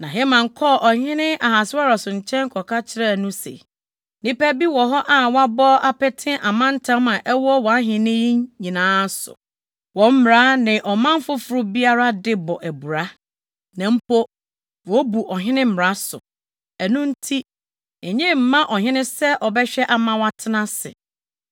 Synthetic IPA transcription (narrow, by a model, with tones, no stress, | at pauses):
nã˨ɦɛ˦mã˨ŋ˨kʰɔ˦˨ʔɔ˨hɪ̃˦nɪ̃˦ʔa˨ɦa˨sɪ˦a˦ɾa˨sʊ̃˨ɲ̩˨t͡ɕʰɛ̃˦ŋ˦kʰɔ˨kʰa˦t͡ɕʰɪ˦ɾɛ˦˨nʊ̃˦sḛ˨ | nɪ̃˦pæ˦bi˦wɔ˨ɦɔ˦ʔa˨wɔ̃˦a˦bɔ˦ʔa˦pɛ˦tʰɪ̃˦ʔa˨mã˦n̩˦tʰã˦mã˨ʔɛ˦wɔ˦wɔ˨a˦ɦɪ̃˨nɪ̃˦ji˦ɲĩ˨nãː˦sʊ̰˨ | wɔ˨m̩˦mɾa˦nɪ̃˨ʔɔ˨mã˦m˦fʊ˦fʊ˨ɾʊ˦bi˦a˦ɾa˦dɪ˦bɔ˨ʔæ˨bu˨ɾa˦ | nã˨m̩˦po˦ | wɔ˨˦bu˨ʔɔ˨ɦɪ̃˦nɪ̃˦m̩˦˨m˨ɾa˨˦sʊ̰˨ | æ˨nũ˦n̩˦tʰi˦ | ɛ˨ɲɪ̃˦m̩˨mã˦ʔɔ˨ɦɪ̃˦nɪ̃˦sɛ˦ʔɔ˨bɛ˦ɕᶣɛ˦ʔa˨mã˦wa˨tʰɪ˦nã˦sɪ̰˨